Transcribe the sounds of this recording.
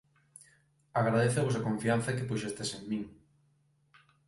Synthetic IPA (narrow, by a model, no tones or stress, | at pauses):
aɣɾaðeθeβosakoɱfianθɐkepuʃest̪eseŋmĩŋ